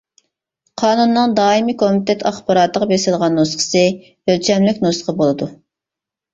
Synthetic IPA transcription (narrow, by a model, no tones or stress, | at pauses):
qʰɑːnunːɨŋd̪ɑːimikʰomɪt̪ʰɛt̪ʰɑχbɑɾɑːt̪əʁɑbesɪlˠʁɑnːosqʰə̥sɨ | ølt͡ʃʰɛmlɪkʲnosqʰəbolˠɨd̪u